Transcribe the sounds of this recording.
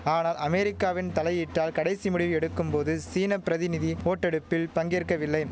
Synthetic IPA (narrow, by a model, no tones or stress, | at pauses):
aːnaːlɐmɛɾɪkːaːʋɪnt̪ɐlɐjiːʈːaːlkɐɽɐɪsimʊɽɪʋɯɛɽɯkːɯmpoːðɯsiːnɐpːɪɾɐðɪnɪðioːʈːɛɽɯpːɪlpɐŋɡeːrkːɐʋɪlːɐɪ